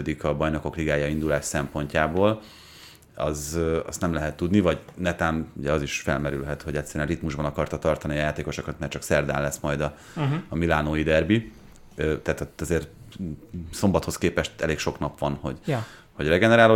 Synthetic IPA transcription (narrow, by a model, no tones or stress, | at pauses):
ød̪ikɒbɒjno̞ko̞kliɡaːjɒind̪ulaːʃsɛmpo̞ɲcaːboːl | ɒ̰zɒ̰st̪nɛmlɛɦɛt̪ːud̪nivɒɟnɛt̪aːnuɟɛɒziʃfɛlmɛɾylɦɛt̪ho̞ɟɛcʲsːɛɾyɛnrit̪muʒbɒnɒkɒrt̪ɒt̪ɒrt̪ɒnijaːt̪eːko̞ʃokɒt̪maːrt͡ʃɒksɛrd̪a̰ːnlːɛsmɒjd̪ɒ | milaːnoːid̪ɛrbi | øt̪ɛːt̪t̪ɛzeːr | so̞mbɒt̪ho̞skeːpɛʃt̪ɛleːkʃo̞knɒpʋɒnho̞ɟ | ho̞ɟrɛɡɛnɛɾaːlo